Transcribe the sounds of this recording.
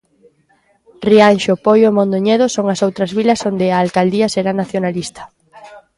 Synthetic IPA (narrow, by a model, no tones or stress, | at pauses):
rianʃopojomõnd̪oɲeðosoŋɐsowt̪ɾɐzβilɐsond̪eaːlkald̪iɐseɾanaθjonalist̪ɐ̥